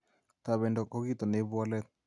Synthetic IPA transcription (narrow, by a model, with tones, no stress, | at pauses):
t̪a˨βɛ˨ndɔ˨kɔ˦ɡi˦t̪ɔ˨ne˨˦ba˦lɛ˦